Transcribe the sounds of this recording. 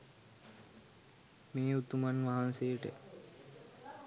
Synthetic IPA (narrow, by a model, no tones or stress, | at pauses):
meːut̪umanʋaɦansejəʈə̰